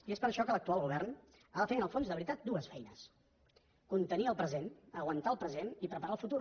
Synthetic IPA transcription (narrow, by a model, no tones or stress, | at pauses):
iespəɾəʃɔkələkt̪ualˠɣuβ̞ɛrn | aðəfeənəlˠfonzðəβɾit̪at̪̚d̪uəsfɛjnəs | kunt̪əniəlˠpɾəzenəɣwənt̪aəlˠpɾəzenipɾəpəɾaəlˠfut̪uɾ